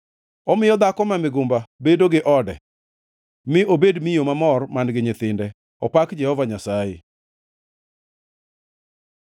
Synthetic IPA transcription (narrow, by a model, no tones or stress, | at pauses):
ɔmɪjɔd̪akɔmamɪɡʊmbabedoɡɪʔɔdɛ̰ | mɪobedmijomamɔrmanɡɪɲɪt̪ɪndɛ | ɔpakd͡ʒɛhɔvaɲasajḛ